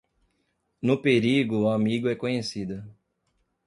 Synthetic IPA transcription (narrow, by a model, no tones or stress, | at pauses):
nʊpeɾiɡʊːamiɡʊɛkõɲesid̪ɐ